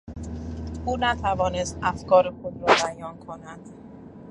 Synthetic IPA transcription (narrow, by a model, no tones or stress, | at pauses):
ʔuːnæt̪ʰævɒːne̞st̪ʔæfkɒːɾekʰud̪ɾɒːbæjɒːnkʰo̞næd̪̥